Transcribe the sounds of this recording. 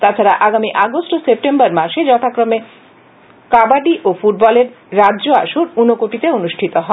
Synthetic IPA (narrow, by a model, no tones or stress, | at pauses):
t̪at͡ɕʰaɾaʔaɡamiʔaɡosʈosep̚ʈembaɾmaʃed͡ʑɔt̪ʰakɾome | kabaɖiʔofuʈ̚bɔleɾː | adːʑoa̰ʃuɾunokoʈit̪eonuʃʈʰit̪oɦɔe